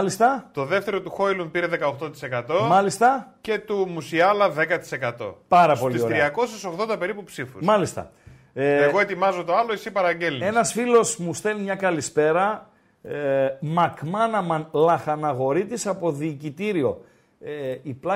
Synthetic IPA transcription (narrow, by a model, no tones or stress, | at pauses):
list̪ɐt̪o̞ðe̞ft̪e̞ɾo̞t̪uxo̞jlumpiɾeðekɐoxt̪ot̪i̥se̞kɐt̪o̞mɐlist̪ɐce̞t̪umusiɐlɐðe̞kɐt̪i̥se̞kɐt̪o̞̰pɐɾɐpo̞lioɾiɐko̞sesoɣðo̞nd̪ɐpe̞ɾipupsifṵsmɐlist̪ɐ̰ | eɣo̞e̞t̪imɐzot̪o̞ɐloisipɐɾɐɲɟe̞lnie̞nɐsfilo̞smust̪e̞limɲɐkɐlispe̞ɾɐ | mɐkmɐnɐmɐnlɐxɐnɐɣo̞ɾit̪isɐpo̞ðiːcit̪iɾio̞ | eiplɐ